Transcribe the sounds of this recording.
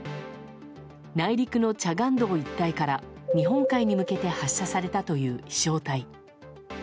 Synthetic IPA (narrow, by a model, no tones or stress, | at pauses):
naiɾʲikɯ̟no̞t͡ɕaɡãnd̪o̞ːit̪ːaikaɾa | ɲ̟iɦõ̞ŋkaiɲ̟imɯ̟ke̞t̪e̞haɕːasaɾe̞t̪at̪o̞jɯ̟ːi̥ɕo̞ːt̪ai